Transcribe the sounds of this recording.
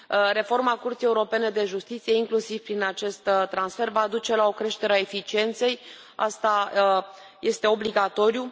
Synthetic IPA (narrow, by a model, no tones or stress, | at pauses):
ɾe̞fo̞rmakurt̪ijeuɾo̞pe̞ne̞d̪e̞ʒust̪it̪sije̞iŋklusiv̥pɾinat͡ʃe̞st̪t̪ːɾansfe̞rvad̪ut͡ʃe̞lao̞kɾe̞ʃt̪e̞ɾeae̞fit͡ʃie̞nt̪se̞j | a̰st̪a | je̞st̪e̞o̞bliɡat̪o̞ɾiju